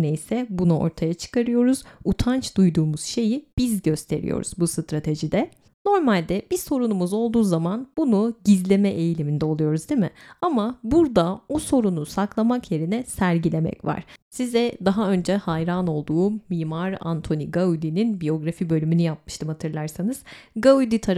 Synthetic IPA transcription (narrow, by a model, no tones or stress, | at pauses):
nɛjsɛbunuo̞̰ɾt̪ʰajat͡ʃʰɯ̥kʰaɾɯjo̞ɾuz̥ut̪ʰant͡ʃd̪ujd̪uːmuz̥ʃe̞jib̥izɟø̞st̪ʰe̞̰ɾḭjo̰ɾṵzbusɯt̪ɾat̪ʰe̞ʒid̪ɛ | no̞ɾmalʲd̪ɛb̥iso̞ɾunumuzo̞lˠd̪uːzamanbunuɟizlʲe̞mɛʔejlʲimind̪ɛo̞lˠujo̞ɾuzd̪imɪamabuɾd̪aoso̞ɾunusaklˠamakje̞ɾinɛsæɾɟilʲe̞mɛ̰cva̰ɾ̥sizɛd̪aɦaø̞nd͡ʒɛhajɾano̞lˠd̪uːmiːmaɾa̰nt̪ʰo̞niɡaud̪ininbijo̞ɡɾafibø̞lʲymynyjap̚mɯʃt̪ʰɯmhat̪ʰɯɾlˠaɾsanɯz̥ɡaud̪it̪ʰaɾ